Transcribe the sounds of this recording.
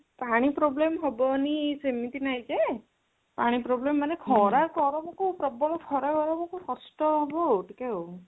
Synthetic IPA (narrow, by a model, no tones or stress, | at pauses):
paɽ̃ipɾoblemɦɔbɔnisemit̪inajke | paɽ̃ipɾoblemːanekʰɔɾaɾkɔɾɔbɔkupɾɔbɔlɔkʰɔɾaɡɔɾɔbɔkukɔsʈɔɦɔbɔʈikeo